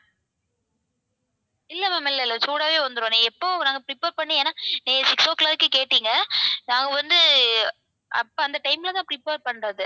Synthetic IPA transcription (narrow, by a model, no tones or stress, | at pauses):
ɪlːɐmɐmɐɪlːɐɪlːɐsuːɽaːʋeːʋɐnd̪ɯɾõːnĩːɛpːoːnaːɡɐpɾɪpeːɾpɐɳːɯ̃eːnaːniːɡɐsɪksoːklaːɾɯkːɯkeːʈːiːŋɡɐnãːŋɡɐʋɐnd̪ɯ | ʔɐ̰pːoɐnd̪ɐʈɐɪmɪlɐt̪ãːpɾɪpeːɾpɐɳɾɐðɯ